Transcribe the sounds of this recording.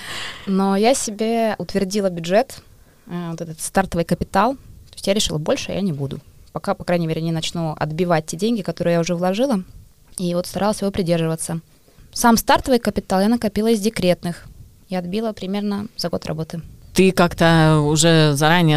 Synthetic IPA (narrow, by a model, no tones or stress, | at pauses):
nojasʲɪbʲe̞ʊt̪vʲɪrdʲilˠəbʲʊdʐɛt̪ː | vot̪ɛt̪ət̪st̪art̪əvɨjkəpʲɪt̪alˠt̪osʲtʲjaɾʲɪʂɨlˠəbo̞lʲʂɨjʔa̰nʲɪbud̪ʊ̰pɐkapɐkɾajnʲɪmʲeɾʲɪnʲɪnɐt͡ɕnuɐ̰d̪bʲɪvat̚ʲtʲːedʲenʲɡʲɪkɐt̪o̞ɾɨjaʊʐɛvlˠɐʐɨlˠə | ivo̞t̪st̪ɐɾʔalˠəsʲjɪvo̞pɾʲɪdʲerʐɨvət̪sːə | samst̪art̪əvɨjkəpʲɪt̪alˠjanəkɐpʲilˠəɪzʲdʲɪkɾʲe̞t̪nɨx | jaɐd̪̚bʲilˠəpɾʲɪmʲe̞rnəzɐɡo̞t̪rʔɐ̰bo̞t̪ɨt̪ɨkakt̪əʊʐɛzɐɾanʲɪjə